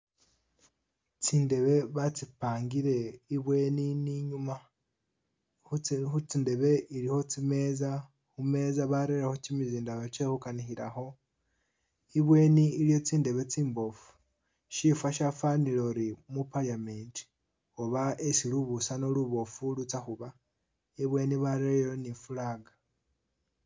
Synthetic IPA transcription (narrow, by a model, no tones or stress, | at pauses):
t͡siːnde̞βe̞βat͡sipaːŋɡiɾe̞iβweniniɲuma | ut͡sinde̞βe̞iɾiho̞t͡sime̞ːza | hume̞ːzaβaɾeɾeho̞cimiziːndaot͡ʃehukanihiɾa̰ho̞ | iβwe̞ːniːlijo̞t͡siːnde̞βe̞t͡siːmbo̞fu̥ | ʃifaʃafanilo̞ɾimupalamenti̥ | o̞βaesiluβusanoluβo̞fulut͡saxuβa | iβwe̞ːniβaɾeɾhonifulaːɡa